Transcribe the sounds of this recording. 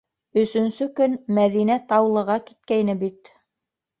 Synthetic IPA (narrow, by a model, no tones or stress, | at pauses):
ɵ̆sɵ̆nsɵkɵnmæðinæt̪ɑwlˠɤ̆ʁɑkit̪̚kæjnɘbit̪